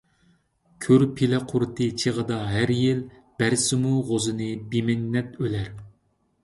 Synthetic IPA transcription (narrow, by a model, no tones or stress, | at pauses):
kʲʰøɾpʰelɛqʰʊɾt̪ʰɨt͡ʃʰeʁəd̪ɑɦæɾjil | b̥æɾsɪmuʁozɨnɨbimɛnːɛt̪ølɛɾ